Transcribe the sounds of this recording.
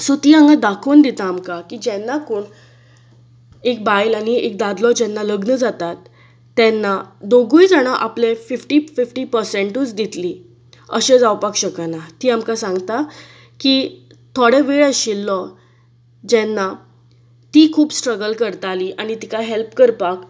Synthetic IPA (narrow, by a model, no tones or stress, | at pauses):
sot̪iːãŋɡad̪akʰuːnd̪it̪aːmkakid͡ʑɛnːakoːɳ | ek̚bajlaɽ̃iʔek̚d̪ad̪lɔd͡ʑɛnːaləɡnəd͡zat̪at̪ː | ɛnːad̪oɡujd͡zaɽ̃aʔaplefifʈiːfifʈiːpəɾseɳʈuːt͡sd̪it̪li | əɕed͡zawpakɕəkanat̪iːamkasãŋɡt̪a | ki | t̪ʰoɽeʋeɭəɕilːɔ | d͡ʑɛnːa | t̪iːkʰuːbsʈɾəɡəlkəɾt̪aliːʔaɽ̃it̪ikajɦelpkəɾpak